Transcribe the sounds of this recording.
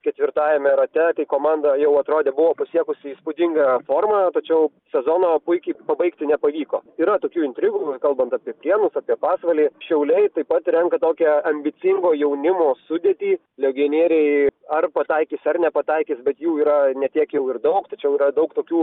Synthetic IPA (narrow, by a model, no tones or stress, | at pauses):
kʲɛt̪ʲʋʲɪrt̪ɑːjɛmʲɛɾɐt̪ʲɛt̪ɐɪkoːmɑnd̪ɐjɛʊɐt̪ɾoːd̪ʲeːbʊʋoːpɐsʲiɛkʊsʲɪiːspʊd̪ʲɪŋɡɐfoːrmɐt̪ɐt͡ʃʲɛʊ | sʲɛzoːnoːpʊɪkʲɛɪpɐbɐɪkt̪ʲɪnʲɛpɐʋʲiːko̰ːiːɾɐt̪oːkʲuːɪnʲt̪ʲɾʲɪɡuːkɐlˠbɐnt̪ɑːpʲiɛpʲlʲiɛnʊsɑːpʲiɛpɑːsʋɐlʲiːʃʲɛʊlʲɛɪt̪ɐɪpɐt̪ɾʲɛŋkɐt̪oːkʲɛɐmʲbʲɪt̪sʲɪŋɡoːjɛʊnʲɪmoːsʊd̪ʲɛt̪ʲiː | lʲɛɡʲinʲiɛɾʲɛɪɐrpɐt̪ɐɪkʲisɐrnʲɛpɐt̪ɐɪkʲɪsbʲɛt̪juːiːɾɐnʲɛt̪ʲiɛkjɛʊɪrd̪ɐʊkt̪ɐt͡ʃʲɛʊiːɾɐd̪ɐʊkt̪oːkʲuː